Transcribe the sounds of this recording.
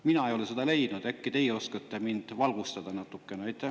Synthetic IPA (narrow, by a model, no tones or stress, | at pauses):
minɑejo̞lesed̪ɑle̞jd̪̥nud̪̥ækːit̪e̞jo̞skɑt̪ːˑemind̪̥vɑlɡ̥ust̪ɑd̪̥ɑnɑt̪ːˑukːeneɑjt̪ːˑæ